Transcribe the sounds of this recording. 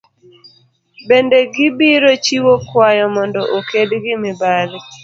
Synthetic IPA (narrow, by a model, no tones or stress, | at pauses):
bendeɡɪbiɾot͡ʃiwokwajɔmɔndɔʔokʰedɡɪmɪbal